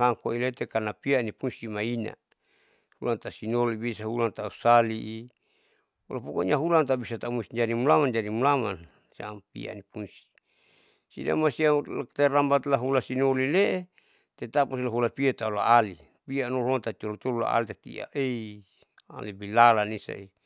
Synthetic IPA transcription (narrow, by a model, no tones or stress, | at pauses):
haŋkoilet̪ekanapianipunsimaina̰ | hulant̪asinolibisaɦulant̪ausaliʔi | ulapukoɲaɦulant̪abisat̪aumusid͡ʒadimulamand͡ʒadimulaman | smpḭa̰nipunsi̥ | sḭda̰masiat̪arambat̪laɦulasinolileʔe | t̪et̪apus̬laɦulapiat̪aula̰ali | pianolot̪at̪iolot̪olula̰a̰lit̪at̪ḭa̰ʔei | a̰libilalanisa̰i